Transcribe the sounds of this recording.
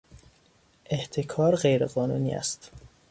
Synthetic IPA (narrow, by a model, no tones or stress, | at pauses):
ʔe̞ht̪ʰe̞kʰɒːɾɢejɾeɣɒːnuːnḭːæ̰st̪